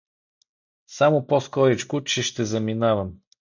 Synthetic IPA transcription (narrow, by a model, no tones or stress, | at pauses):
samʊpɔskɔɾit͡ʃkʊt͡ʃɛʃt̪ɛzɐminavɐm